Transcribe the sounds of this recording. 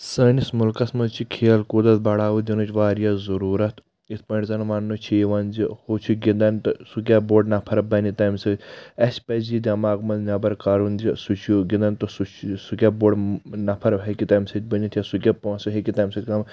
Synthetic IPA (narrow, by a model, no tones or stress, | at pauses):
səːnismulkɐsmɐt͡ʃʰikʰeːlkuːd̪ɐt̪bɐɽaːʋud̪ʲinut͡ʃʋaːɾjazɐɾuːɾɐt̪ | it̪̚ʰpɐɳɖʲzɐnʋɐnːut͡ʃʰeːʋɐnzihoːt͡ʃʰiɡĩnd̪ɐnʲt̪ɨsuk̬ʲaːboːɖnɐpʰɐɾɐbɐnit̪ɐːmsɐt̪ʲɐsʲpɐzid̪ʲɐmaːɡmɐnnʲɐbɐɾkaɾunzisut͡ʃʰjuɡĩnd̪ɐnt̪osut͡ʃʰsukʲaboːɖnɐpʰɐɾɐbɦɐkʲit̪ɐːmsɐt̪̚ʲbɐnʲit̪ʰjɐsukʲapõːnsɨɦekit̪ɐmsɐt̪ʲkɐm